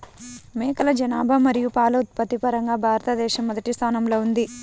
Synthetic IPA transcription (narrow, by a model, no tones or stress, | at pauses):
mɛːkɐlɐd͡ʒɐnaːbʱɐmɐɾijupaːlɐut̪̚pɐt̪ipɐɾɐŋɡaːbʱaːɾɐt̪ɐd̪ɛːʃɐmːɔd̪ɐʈist̪ʰaːnɐmlo̞ːund̪i